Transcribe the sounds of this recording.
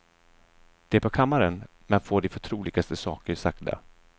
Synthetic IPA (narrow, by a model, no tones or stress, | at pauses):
d̪̥ɛæɾpʰɔkʰamːaɾən | mɛnfoːɖɪfœʈʰɾuːlɪɡast̪əsɑːkəɾsakd̪a̰